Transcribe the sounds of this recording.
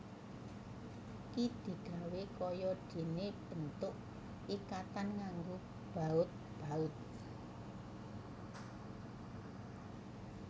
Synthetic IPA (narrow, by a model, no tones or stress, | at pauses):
kid̪̥i̤ɡ̥a̤wekɔjɔɖ̪̥e̤neb̥ə̤nt̪ʊʔ | ikat̪anŋaŋɡo | b̥a̤ʊt̪̚ | b̥a̤ʊt̪̚